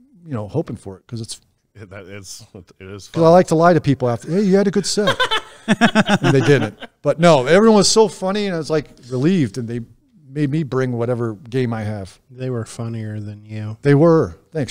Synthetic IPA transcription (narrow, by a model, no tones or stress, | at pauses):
jɨnoʊhoʊpɪ̃ŋfə˞ɨt̚kʰʌzɨts | ðɾɪts | ɪɾɪz̥kʰʌzaɪlaɪk̚tʰəlaɪɾɨpipl̩ˠæftɛjɨɨɾɨɡʊd̥sɛt̚ | ɨ̃nðeɪdɪdⁿn̩t̚b̥ʌtⁿnoʊɛvɹiwʌ̃nz̥soʊfʌñiɨ̃naɪwʌzlaɪkɹɨlivdɨ̃nðeɪ | meɪd̚mibɹɪ̃ŋwʌɾɛvə˞ɡẽɪ̃maɪɨv̥ | ðeɪwə˞fʌniə˞ðɨ̃njʉðeɪwə˞θæ̃ŋks